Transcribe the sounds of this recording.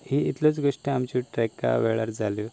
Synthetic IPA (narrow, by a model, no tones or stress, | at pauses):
ɦiit̪lot͡sɡʱoʂʈiamt͡ɕũʈɾɛka̰ʋeɭaɾd͡zali